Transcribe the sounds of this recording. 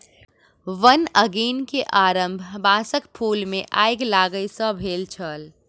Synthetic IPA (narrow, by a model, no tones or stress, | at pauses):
ʋənəɡiːnkeʔaːɾəmbʱbãːsəkpʰuːlmẽʔaːɪɡlaːɡəjsə̃bʱeːlt͡ʃʰəl